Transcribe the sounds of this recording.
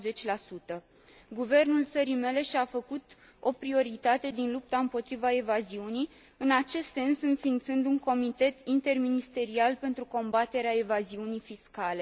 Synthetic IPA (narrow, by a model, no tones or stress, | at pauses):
ze̞t͡ʃʲlasut̪ə | ɡuve̞rnult̪səɾime̞le̞ʃiafəkut̪ | o̞pɾio̞ɾit̪at̪e̞d̪inlup̚t̪aɨmpo̞t̪ɾivae̞vaziunij | ɨnat͡ʃe̞st̪ːse̞nsɨnfint̪sɨnd̪uŋko̞mit̪e̞t̪int̪e̞rminist̪e̞ɾialpe̞nt̪ɾuko̞mbat̪e̞ɾeae̞vaziunijfiskale̞